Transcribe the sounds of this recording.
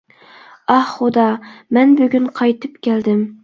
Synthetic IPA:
ɑhχʊd̪ɑmɛnbyɡʲynqʰɑjt̪ʰɨpkʲʰæld̪ɪm

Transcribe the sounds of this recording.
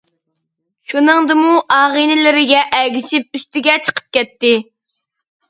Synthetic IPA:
ʃunɨŋd̪ɨmuʔɑːʁinɪlɪɾɪɡʲɛʔɛɡʲiʃip̚yst̪ɪɡʲɛt͡ʃʰə̥qʰə̥p̚kʲɛt̪ːɪ

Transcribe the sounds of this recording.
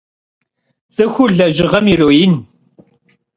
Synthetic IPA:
z̥ɨxʷʊrɮɐʒɪʁɐmiroːjin

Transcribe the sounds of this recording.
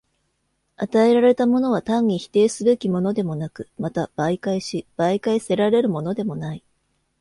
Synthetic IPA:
at̪ae̞ɾaɾe̞t̪amo̞no̞β̞at̪ãɲ̟ːiçi̥t̪e̞ːsɨbe̞kʲimo̞no̞d̪e̞mo̞nakɯ̟̥mat̪ab̥aikaiɕib̥aikaise̞ɾaɾe̞ɾɯ̟mo̞no̞d̪e̞mo̞nai

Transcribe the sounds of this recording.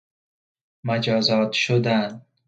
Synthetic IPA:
mad͡ʒɒzɒt̪ʃʊd̪an

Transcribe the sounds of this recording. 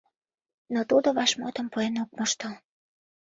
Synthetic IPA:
not̪ud̪oβɑʃmot̪əmpoenok̚moʃt̪o

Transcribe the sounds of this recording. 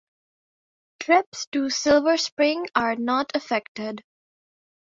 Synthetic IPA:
ʈʰɾɪpsʈusɪlʋəɾspɾɪ̃ŋaɹnɔːʈʰəfɛkʈɪɖ

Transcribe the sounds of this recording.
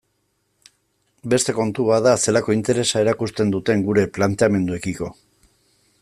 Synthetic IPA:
be̞st̪e̞ko̞nt̪uβaðase̞lako̞int̪e̞ɾe̞sae̞ɾakust̪e̞nd̪ut̪e̞ŋɡuɾe̞plant̪e̞ame̞nd̪uekiko̞

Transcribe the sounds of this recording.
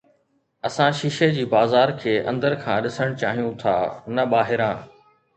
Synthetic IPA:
ɐsãʃɪʃed͡ʑiːbaːzaːɾkʰeːʔɐ̰̃nd̪əɾkʰãːɗɪsəɽ̃t͡ɕaːɦijũt̪ʰa̰ːnɐɓaːɦɪɾãː

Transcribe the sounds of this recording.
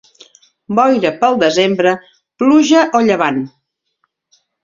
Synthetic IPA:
bɔjɾəpəlˠd̪əzembɾə | pluʒəʔoʎəβ̞an

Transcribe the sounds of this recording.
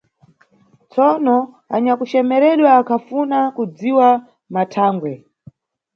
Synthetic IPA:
t͡sɔnɔ | aɲakut͡ʃɛmɛɾɛɗwaːkʰafunakud͡ziwa | matʰaːŋɡwɛ

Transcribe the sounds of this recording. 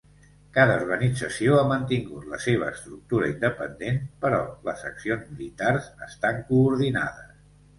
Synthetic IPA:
kaðəuɾɣənid͡zəsioamənt̪iŋɡut̪ləseβ̞əːst̪ɾuk̚t̪uɾə̰ind̪əpənd̪enpəɾɔ̰lə̰zəksionzmilit̪arzəst̪aŋkuːɾðina̰ðəs

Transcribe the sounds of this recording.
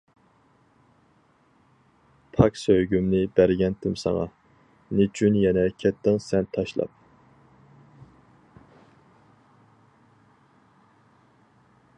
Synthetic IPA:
pʰɑksøjɡʲymnɪbæɾɡʲɛnt̪ʰɪmsɑ̰ŋɑ̰ | net͡ʃʰynjɛnɛkʲʰɛt̪ʰːɪŋsɛnt̪ʰɑʃlˠɑ̰p̚

